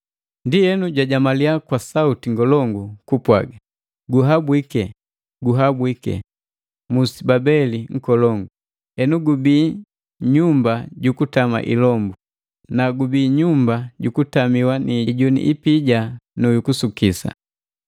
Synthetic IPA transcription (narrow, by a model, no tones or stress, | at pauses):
ndijɛnuɟwaɟamaliakwasautiŋɡɔlɔŋɡukupwa̰ɡa | ɡuɦabwikɛ | ɡuɦabwikɛ̰ | musibabɛliŋ̩kɔlɔŋɡu | ɛnuɡubiː | ɲumbaɟukutama̰ʔḭlɔmbu | naɡubiːɲumbaɟukutamiwaniɟunḭʔipiɟanujukusukisa̰